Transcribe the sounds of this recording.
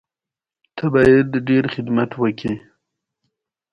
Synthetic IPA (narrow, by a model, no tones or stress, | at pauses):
t̪ʰabɑjad̪ɖeɾxɪd̪mat̪wəki